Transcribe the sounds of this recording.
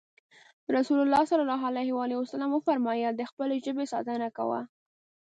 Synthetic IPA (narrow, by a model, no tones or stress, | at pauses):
ɾasulʊlːɑsalalɑɦalajhwɑleasalɑmwəfaɾmɑjad̪əxpəleʒəbesɑ̰t̪ənaka̰wa̰